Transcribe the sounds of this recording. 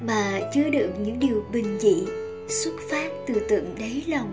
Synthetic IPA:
maː˨˩t͡ɕɨ˧əɗɨ̰˨˩ək̚ɲɨ̰˧˥ŋɗi˨˩əwɓï˨˩ŋ̟zḭ˧˨ | swə˦˥t̚faː˦˥t̚t̪ɨ˨˩t̪ɨ̰˧˨əŋɗə˨˦jlɔ˨˩wŋ͡m

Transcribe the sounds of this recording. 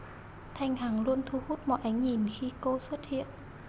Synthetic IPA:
t̪ʰa˧jŋ̟haː˨˩ŋlu˧ənt̪ʰu˧hu˦˥t̚mɔ̰˧˨jʔa˨˦jŋ̟ɲi˨˩nxi˧ko˧swə˦˥t̚hḭ˧˨ən

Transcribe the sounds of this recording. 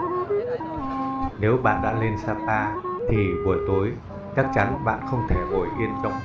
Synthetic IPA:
ne˨˦wɓa̰ː˧˨nɗa̰ː˧˥le˧nsaː˧p̚aː˧t̪ʰi˨˩ɓu˨˧˩əjt̪o˨˦j | t͡ɕa˦˥t̚t͡ɕa˨˦nɓa̰ː˧˨nxə˧wŋ͡mt̪ʰe˧˩ʔo˧˩jʔi˧ənzɔ̰˧˨ŋ͡m

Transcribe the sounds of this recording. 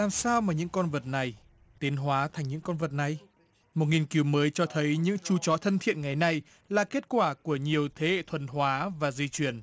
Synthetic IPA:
laː˨˩msaː˧wmaː˨˩ɲɨ̰˧˥ŋkɔ˧nvə˨˩t̚na˨˩j | t̪i˨˦ənɦwaː˨˦t̪ʰa˨˩jŋ̟ɲɨ̰˧˥ŋkɔ˧nvə˨˩t̚na˨˩j | mo˨˩t̚ŋi˨˩nki˨˦wməː˨˦jt͡ɕɔ˧t̪ʰə˨˦jɲɨ̰˧˥ŋt͡ɕu˧˩t͡ɕɔ˨˦t̪ʰə˧nt̪ʰḭ˧˨ənŋa˨˩jna˨˩j | laː˨˩ke˦˥t̚kwaː˧˩ku˧˩əɲi˨˩əwt̪ʰe˨˦hḛ˧˨t̪ʰwə˨˩nɦwaː˨˦vaː˨˩zi˧t͡ɕwi˧˩ən

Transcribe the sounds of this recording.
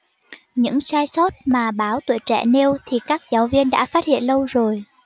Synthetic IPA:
ɲɨ̰˧˥ŋsaː˧jsɔ˦˥t̚maː˨˩ɓaː˨˦wt̪wḭ˧˨jt͡ɕɛ̰˧˩ne˧wt̪ʰi˨˩kaː˦˥k̚zaː˨˦wvi˧ənɗa̰ː˧˥faː˦˥t̚hḭ˧˨ənlə˧wzo˨˩j

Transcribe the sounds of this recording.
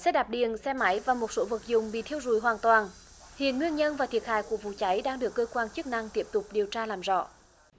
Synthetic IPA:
sɛ˧˥ɗaː˨˩p̚ɗḭ˨ənsɛ˧ma˨˦jvaː˨˩mo˨˩t̚so˨˦vɨ˨˩k̚zʊ˨˩ŋ͡mɓḭ˧˨t̪ʰi˧əwzu˧˩jɦwaː˨˩nt̪waː˨˩nhḭ˧˨ənŋwi˧ənɲə˧nvaː˨˩t̪ʰi˨˩ət̚haː˧˨jku˧˩əvṵ˧˨t͡ɕa˨˦jɗaː˧ŋɗɨ˨˩əkːəː˧kwaː˧nt͡ɕɨ˦˥k̚na˧ŋt̪i˦˥əp̚t̪ʊ˨˩k͡p̚ɗi˨˩əwt͡ɕaː˧laː˨˩mzɔ̰˧˨

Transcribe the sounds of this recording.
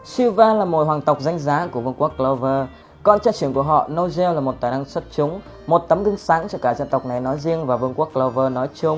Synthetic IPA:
si˧vaː˧laː˨˩mo˨˩t̚ɦwaː˨˩ŋt̪ə˨˩wk͡p̚za˧jŋ̟zaː˨˦ku˧˩əvɨ˧əŋku˦˥əkklə˧wvəː˧ | kɔ˧nt͡ɕaː˧t͡ɕi˧˩əŋku˧˩əɦɔ̰˧˨no˧wzɛ˧wlaː˨˩mo˨˩t̚t̪aː˨˩na˧ŋsə˦˥t̚t͡ɕʊ˨˦ŋ͡m | mo˨˩t̚t̪ə˨˦mɣɨ˧ŋsaː˨˦ŋt͡ɕɔ˧kaː˧˩za˧˨nt̪ə˨˩wk͡p̚na˨˩jnɔ˨˦jzi˧əŋvaː˨˩vɨ˧əŋku˦˥əkːlə˧vəː˧nɔ˨˦jt͡ɕʊ˧ŋ͡m

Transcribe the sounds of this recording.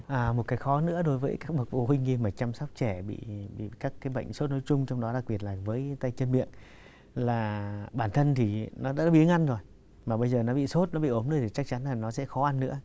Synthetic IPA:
ʔaː˨˩mo˨˩t̚kaː˨˦jxɔ˨˦nɨ̰˧˥əɗo˨˦jvəː˨˦jkaː˦˥k̚ɓə˨˩k̚vo̰˧˩hï˧ŋ̟hi˧maː˨˩t͡ɕaː˧msɔ˦˥wk͡p̚t͡ɕɛ˧˩ɓḭ˧˨ɓḭ˧˨kaː˦˥kːaː˨˦jɓə̰˧˨jŋ̟so˦˥t̚no˨˦jt͡ɕʊ˧ŋ͡mt͡ɕɔ˧wŋ͡mɗɔ˨˦ɗa˨˩k̚ɓi˨˩ət̚laː˨˩vəː˨˦jt̪a˧jt͡ɕə˧nɓḭ˧˨ən | laː˨˩ɓaː˧˩nt̪ʰə˧nt̪ʰi˨˩nɔ˨˦ɗa̰ː˧˥˧ɓi˧˨˦ŋʔa˧jŋzo˨˩j | maː˨˩ɓə˧jzəː˨˩nɔ˨˦ɓḭ˧˨so˦˥t̚nɔ˨˦ɓḭ˧˨ʔə˨˦mnɗo˨˦jt̪ʰi˨˩t͡ɕa˦˥k̚t͡ɕa˨˦nlaː˨˩nɔ˨˦sɛ̰˧˥xɔ˨˦ʔa˧nːɨ̰˧˥ə

